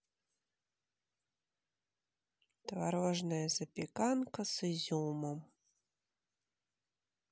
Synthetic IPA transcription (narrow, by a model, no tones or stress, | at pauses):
t̪vaɾɔʐnɐjɐzɐpʲɛkankɐsɨzʲulmɐm